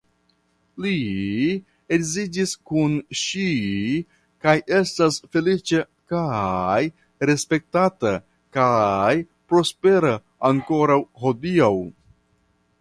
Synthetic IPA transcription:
li | ekzid͡ʒiskunʃi | kaje̞stasfe̞lit͡ʃe | kaj | ɾe̞spe̞k̚tata | kaj | pɾo̞spe̞ɾaː | ŋko̞ɾawho̞diaw

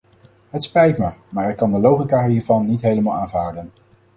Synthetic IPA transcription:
ɦətspɛjtməɹmaːɹɪkːɑndəlowχikaɦiːɹvɑnːitɦejləmaːlˠaːnvaːɹdən

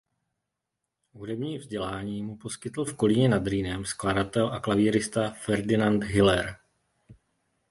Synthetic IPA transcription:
ɦudɛbɲiːvzɟɛlaːɲiːmupo̞skɪt̪l̩fko̞lɪɲɛnad̪ɾiːnɛmskladat̪ɛlʔaklaviːɾɪst̪afɛɾdɪnant̪ɦɪlɛɾ

